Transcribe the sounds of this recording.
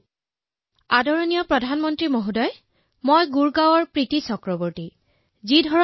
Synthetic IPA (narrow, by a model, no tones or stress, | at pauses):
adɔɹɔnijɔpɹɔdʱanmɔntɹimoɦudɔj | mojɡuɹɡawɔɹpɹitisɔkɹɔbɔɹti | zidʱɔɹɔ